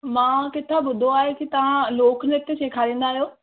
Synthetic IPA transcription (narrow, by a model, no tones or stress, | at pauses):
mãːkɪt̪ʰːabʊd̪ʱoaːɦekit̪ɐʋ̤ãloːknet̪ːeseːkʰaːɾĩːnd̪aːɦijoː